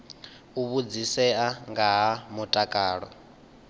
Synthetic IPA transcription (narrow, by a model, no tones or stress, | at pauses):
uβud͡zisɛaŋɡaɦamutʼakʼaːɺɔ̰